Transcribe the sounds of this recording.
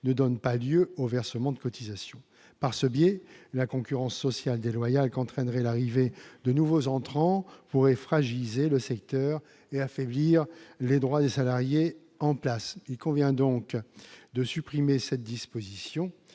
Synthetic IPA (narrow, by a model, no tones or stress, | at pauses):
nəd̪ɔnpaljøovɛʁsəmɑ̃d̪əkɔt̪ʰizasjɔ̃ | paʁsəbjɛlakɔ̃kʲyʁɑ̃sːɔsjald̪elwajalkɑ̃t̪χɛnʁɛlaʁived̪ənuvozɑ̃t̪χɑ̃puʁɛfχaʒilizeləsɛk̚t̪œʁ | eafɛbliʁled̪ʁwad̪esalaʁje | ɑ̃plasilkɔ̃vjɛ̃d̪ɔ̃kd̪əsypχimesɛt̪̚d̪ispozisjɔ̃